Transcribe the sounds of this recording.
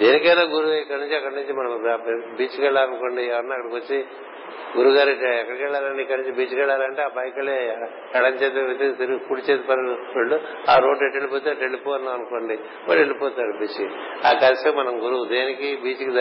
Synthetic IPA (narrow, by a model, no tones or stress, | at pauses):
eːnikɐjnaːɡuɾuikːɐɽnuɲt͡ʃiɐkːɐɽɐnuɲt͡ʃimɐnɐmpbiːt͡ʃikɛɭːaːlɐnuko̞ːɳɖiɛʋɐɾɐnːaɐkːɐɽɐkʋot͡ʃːi | ɡuɾuɡaːɾeʈːɛkːɐɽɐkʋɛɭːaːlɐɳɖiikːɐɽnuɲt͡ʃibiːt͡ʃikɛɭːaːlɐɳʈeːaːpɐjkɐɭe | ɛɽɐɲt͡ʃeːt̪̬eit̪et̪iɾukuɽit͡ʃeːt̪pɐɾʋeɭːuaːɾo̞ːɖeʈːelipoːt̪̬eɐʈeɭːipoːɐnːaɐnuko̞ːɳɖi | mɐ̰ɭeɭipɔːt̪aːɽubiːt͡ʃiaːkɐɾɐsɐmɐnɐmɡuɾuud̪eːnikibiːt͡ʃikid̪ɐ